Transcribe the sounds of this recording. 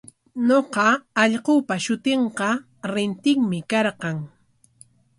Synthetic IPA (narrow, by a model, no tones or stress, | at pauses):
ɲoqɑːʎqʊpaʃʊt̪eɴqɑ | ɾɪnt̪ɪŋmɪkɑɾqɑŋ